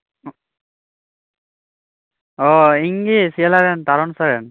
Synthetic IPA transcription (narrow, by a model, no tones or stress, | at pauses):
ɔiŋɡisiɛlaɾɛnt̪aɾɔnsaɾɛn